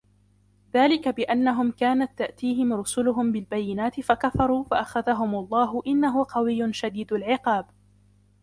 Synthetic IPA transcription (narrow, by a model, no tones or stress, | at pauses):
ðaːlɪkabɪʔanːaɦʊmkaːnat̪ːaʔt̪iːɦɪmɾʊsʊlʊɦʊmbɪlbajːɪnaːt̪ɪfakafɑɾˤuːfaʔaxaðaɦʊmɑlˤːɑːɦʊʔɪnːaɦʊqɑwɪjːʊnʃad̪iːd̪alʕɪqɑːb